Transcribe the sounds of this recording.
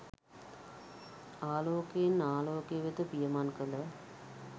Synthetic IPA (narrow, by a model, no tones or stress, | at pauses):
aːloːkeenaːloːkejəʋet̪əpijəmankələ